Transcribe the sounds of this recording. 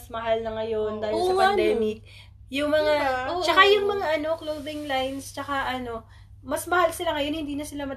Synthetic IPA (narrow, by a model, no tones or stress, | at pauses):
smɐhalnɐŋɐjo̞nd̪aːjɪlsɐpɐnd̪ɛːmɪk̚ | jʊŋmɐŋaot͡ʃɐkajʊŋmɐŋaʔɐno̞klowðɪŋlajnst͡ʃɐkaʔɐno̞ | mɐsmɐhalsɪlaŋɐjo̞nhɪnd̪iːnɐsɪlamɐd̪